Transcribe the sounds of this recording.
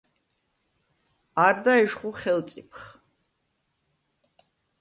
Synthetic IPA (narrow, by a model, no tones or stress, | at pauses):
aɾd̪aɛʃχuχɛlt̪sʼipʰχ